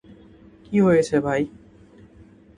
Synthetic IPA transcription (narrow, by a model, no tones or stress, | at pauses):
kiɦoet͡ʃʰebʱaːi